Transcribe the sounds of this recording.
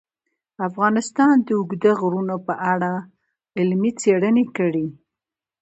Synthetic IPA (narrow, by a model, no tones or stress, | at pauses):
afɣɑnɪst̪ɑnd̪əʊɡd̪əɣɾunopəʔaɽa | ɪlmit͡seɽənekəɽi